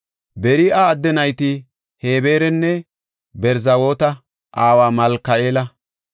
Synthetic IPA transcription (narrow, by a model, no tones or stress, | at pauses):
bɛɾɪɐːd̪ːɛnɐjt̪ɪ | heːbe̞ːɾɛnːɛ | bɛɾzɐwo̞ːt̪ɐ | ʔaːwaːmɐlkːɐʔeːlɐ